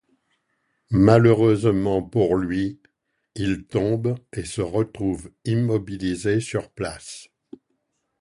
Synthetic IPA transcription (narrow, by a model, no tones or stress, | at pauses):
maləʁøzmɑ̃puʁlɥi | ilt̪ɔ̃besəʁət̪χuvimːɔbilizesyʁplas